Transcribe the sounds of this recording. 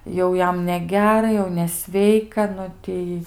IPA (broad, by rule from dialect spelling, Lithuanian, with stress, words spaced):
ˈjɛʊ ˈjɛm nʲɛˈɡʲæːrɐ ˈjɛʊ nʲɛˈsʲʋʲɛɪkɐ ˈnʊ ˈtʲɛɪ